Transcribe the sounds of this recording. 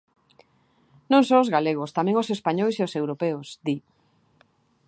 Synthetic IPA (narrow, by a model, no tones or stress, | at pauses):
nõŋsoʊzɣaleɣ̞ost̪amɛ̃ŋosespaɲojseosewɾopeʊsd̪i